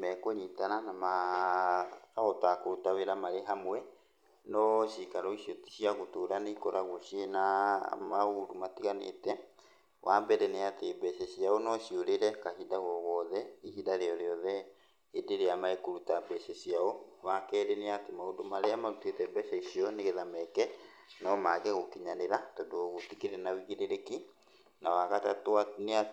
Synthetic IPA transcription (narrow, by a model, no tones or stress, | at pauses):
mɛkoɲitananama | aɔtakoɾutaweɾamaɾeɦamwɛ | nɔʃikaɾɔiɕioti̥ɕiaɣotoːɾaneikɔɾaɣoɕienamaodumatiɣanḛtɛ | wʔambɛɾɛneatebɛsɛsiaonɔɕioɾeɾɛkahidaɣɔɣɔðɛihidaɾeɔɾeɔðɛ | edeɾeamaekoɾutabɛsɛɕiaowakɛːɾeneatemaodomaɾeamaɾutetɛbɛʃaisiɔneɣeðamɛkɛ | nɔmaɣɛɣokiɲaneɾatɔdoɔɣotikeɾɛnawiɣeɾeɾeki | nawaɣatatoanea